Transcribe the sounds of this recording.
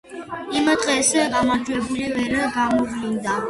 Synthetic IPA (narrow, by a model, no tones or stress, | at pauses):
imad̪ʁɛsɛɡamaɾd͡ʒwɛbulivɛɾaɡamɔvlind̪a